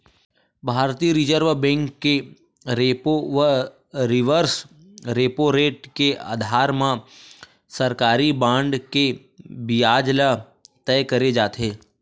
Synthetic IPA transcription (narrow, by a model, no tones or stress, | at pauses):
bʱaːɾt̪iɾɪd͡ʒəɾʋbɛ̃ːŋkːe | ɾepoʋə | ɾɪʋəɾs | ɾeːpoɾeːʈkea̰ːd̪ʱaːɾmã | sɐɾkaːɾibãːɳɖke | bijaːd͡ʒla | t̪ɛːkɐɾed͡ʒaːt̪ɦeː